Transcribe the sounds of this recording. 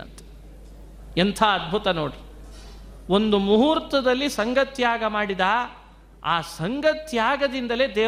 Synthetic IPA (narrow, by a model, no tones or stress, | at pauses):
ɐ̰nt̪ʰe̥ | ent̪ʰɐːd̪̚bʱut̪ɐnoːɽi | o̞nd̪umuɦuɾt̪ɐd̪ɐlːisɐŋɡɐt̪jaːɡɐmaːɽid̪a | aːsɐŋɡɐt̪jaːɡɐd̪ind̪ɐle̞ːd̪eː